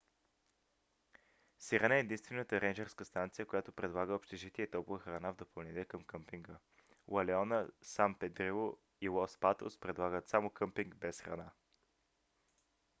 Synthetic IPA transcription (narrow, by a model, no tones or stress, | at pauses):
siɾɐnɛːd̪inst̪vɛnət̪əɾɛnd͡ʒɛɾskəst̪ant̪sijəkojat̪opɾɛd̪lˠaɡəopʃt̪ɛʒit̪iɛt̪ɔpʊvəxɾɐnavd̪opɐlˠnit̪ɛkəmkɤmpiŋɡə | wɐlɛɔnəsampɛd̪ɾivo | ilˠɔspat̪o̰spɾɛd̪lˠaɡət̪samokɤmpiŋɡbɛsxɾɐ̰na